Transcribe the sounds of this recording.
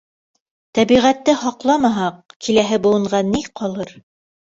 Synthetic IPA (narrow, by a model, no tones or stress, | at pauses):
t̪æβiʁæt̪ːɘhɑqlˠɑmɑɦɑq̚kʰilæɦɘbulˠɤ̆ɴɢʁɑniqʰɒlˠɤɾ